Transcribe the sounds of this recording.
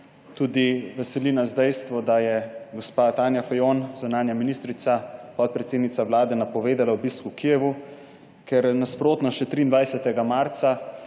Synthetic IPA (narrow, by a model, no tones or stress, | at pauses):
t̪ud̪iʋɛsɛlinazd̪ɛjst̪ʋɔd̪ajɛɡospat̪aːnjafajonzunaːnjaminist̪ɾit̪sapɔt̪̚pɾɛt̪seːd̪nit̪sawlaːd̪ɛnapɔʋeːd̪alawbiskukijɛʋu | kɛɾnaspɾoːt̪nɔʃɛt̪ɾiːnd̪vajsɛt̪ɛɡamaɾt̪sa